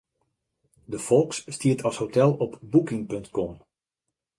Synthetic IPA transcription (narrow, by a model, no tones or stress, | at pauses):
dəfɔlˠksːtiətʰɔshotʰɛlˠɔpbukɪŋpøntkɔm